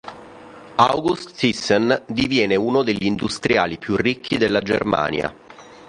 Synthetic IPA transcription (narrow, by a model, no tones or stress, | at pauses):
awɡust̪isːɛnd̪ivjɛːneuːnod̪eʎːind̪ust̪ɾja̰ːlipjurːikʰːid̪elːad͡ʒḛrma̰ːnja̰